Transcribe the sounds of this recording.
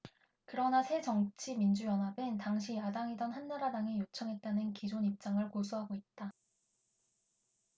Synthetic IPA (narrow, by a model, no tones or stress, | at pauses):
kɯɾʌnasʰe̞t͡ɕʌŋt͡ɕʰimind͡ʑujʌnɦabɯntaŋɕʰijadaŋidʌnɦanːaɾadaŋejot͡ɕʰʌŋɦe̞t̚t͈anɯnkid͡ʑonip̚t͡ɕ͈aŋɯɭkosʰuɦaɡoit̚t͈a